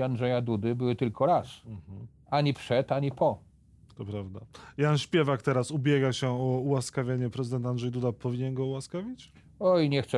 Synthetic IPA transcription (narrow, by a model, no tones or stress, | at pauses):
andʐɛjad̪ud̪ɘbɘwɘt̪ɘlkʰɔɾas̩ | aɲipʂɛt̪aɲipɔ | t̪ɔpɾavd̪ajanɕpʲjɛvakt̪ɛɾasubʲjɛɡaɕɛɔuwaskavʲjeɲɛpɾɛzɨd̪ɛnt̪and̪ʐɛjd̪ud̪apɔvʲiɲɛnɡɔuwaskavʲit͡ɕ | ɔjɲɛxt̪s